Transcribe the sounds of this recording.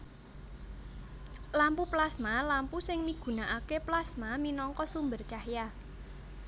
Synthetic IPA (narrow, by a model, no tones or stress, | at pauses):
lampuplasmalampusɪŋmiɡ̥ṳnaʔakeplasmaminɔŋkɔsumbərt͡ʃahja